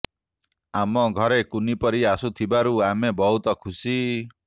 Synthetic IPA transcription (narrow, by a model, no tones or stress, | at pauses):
amɔɡʱɔɾekunipɔɾiasut̪ʰibaɾuamebɔɦut̪ɔkʰusi